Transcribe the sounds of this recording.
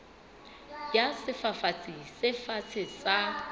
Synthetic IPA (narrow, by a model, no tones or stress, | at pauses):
jasɪfafat͡sʰʼɪsɪfat͡sʰɪsa